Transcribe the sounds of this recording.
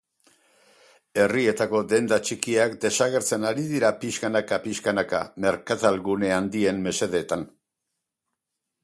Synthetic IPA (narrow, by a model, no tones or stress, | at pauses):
e̞rie̞t̪ako̞d̪e̞nd̪at͡ʃikiakd̪e̞saɣ̞e̞ɾt͡se̞naɾiðiɾapiskanakapiskanakame̞ɾkat̪alɣune̞and̪ie̞mme̞se̞ðeːt̪an